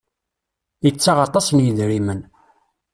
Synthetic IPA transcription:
jət͡sːaʁɑt̪ˤɑsnjəðɾimən

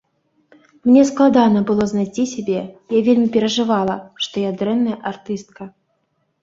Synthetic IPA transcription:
mnʲɛsklˠad̪anɐbɨlˠɔznajtʲisʲabʲɛjavʲelʲmʲipʲɛɾɐʐɨvalˠɐʂt̪ɔjad̪ɾɛnːɐjɛʔart̪ɨst̪̚kɐ

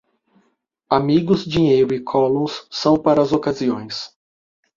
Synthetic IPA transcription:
amiɡʊzd͡ʒiɲejɾʊɪkʰɔlõw̃sːɐ̃w̃paɾɐːzokaziõj̃s

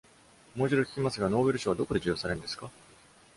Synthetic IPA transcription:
moːʑiɾokʲi̥kʲimasɨɡano̞ːbe̞ɾɯɕoβad̪o̞ko̞d̪e̞d͡ʑɨːjo̞ːsaɾe̞nd̪e̞sɨ̥ka

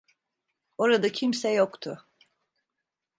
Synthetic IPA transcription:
o̞ɾad̪acʰimsɛjokt̪ʰʊ

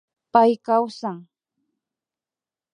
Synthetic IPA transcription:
pajkawsaŋ

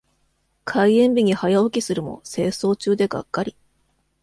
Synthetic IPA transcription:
kʰaiẽ̞mbʲiɲ̟ihajaokʲisɨɾɯ̟mo̞̰se̞ːso̞ːt͡ɕɨːd̪e̞ɡa̰kːaɾʲi

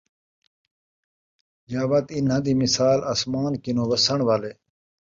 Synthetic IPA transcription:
jaːʋɐt̪inɦɐ̃d̪imisaːlɐsmaːnkinoːʋɐsɐɳ̃ʋale

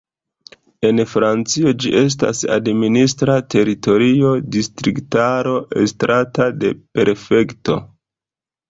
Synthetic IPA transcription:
e̞nfɾant͡sio̞d͡ʒiʔe̞s̬ta̰sa̰dministɾate̞ɾito̞ɾio̞distɾiktaɾo̞ʔe̞stɾatade̞pe̞ɾfe̞kto̞̰

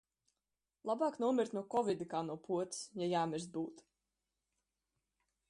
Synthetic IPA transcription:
lˠabaːknuɔmʲiɾt̪nuɔkɔvʲid̪ikaːnuɔpʰuɔt̪sjajaːmʲiɾst̪̚buːt̪

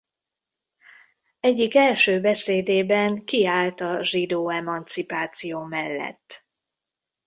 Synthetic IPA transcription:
ɛɟːikɛlʃøːbɛseːd̪eːbɛŋkiaːlt̪ɒʒid̪oːɛmɒnt̪sipaːt̪sijoːmɛlːɛ̰t̪ː

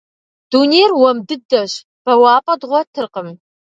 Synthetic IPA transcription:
d̥uːneːrwɐmdɨdɐɕ | b̥ɐwaːpʼɐdʁʷɔtʰɨrqəm

